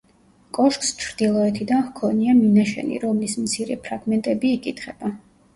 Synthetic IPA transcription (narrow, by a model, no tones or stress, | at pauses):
kʼɔʃkʼst͡ʃʰɾd̪̥ilˠɔɛt̪ʰid̪anhkʰɔniaminaʃɛ̰nḭɾɔmlismt̪sʰiɾɛ̰pʰɾaɡmɛnt̪ʼɛbiːkʼit̪ʰχɛb̥a